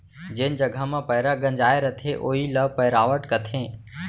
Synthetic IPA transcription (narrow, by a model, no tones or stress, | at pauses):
d͡ʑeːn̆d͡ʒɐɡʱəmãpɐɦɪɾaɡə̃ɲd͡ʒaːeɾɐt̪ʰeʔoːiləʋpəɦɪɾaːʋəʈkɐt̪ʰẽː